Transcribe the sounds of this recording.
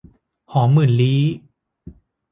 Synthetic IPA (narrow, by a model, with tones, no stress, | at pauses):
hɔː˩˦ŋmɯ˨˩nliː˦˥